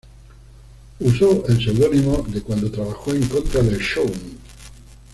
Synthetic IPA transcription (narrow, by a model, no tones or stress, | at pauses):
usoelse̞wðonimoðekwand̪o̞t̪ɾaβaxoe̞ŋko̞nt̪ɾaðelʃown